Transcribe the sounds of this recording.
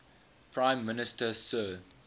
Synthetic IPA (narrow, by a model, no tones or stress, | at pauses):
pʰɹãɪ̃mːɪnɪstəsɜː